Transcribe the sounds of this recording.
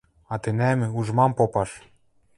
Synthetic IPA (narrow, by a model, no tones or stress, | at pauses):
ɑt̪ɘ̆næmɘ̆uʒmɑmpopɑʃ